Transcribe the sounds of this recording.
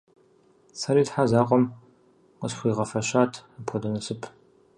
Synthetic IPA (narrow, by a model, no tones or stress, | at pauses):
saɾiːtħazaːqʷʼɔm | qəsħʷiːʁɐfɐɕaːtʰapʰɔdɐnɐsɨpʰ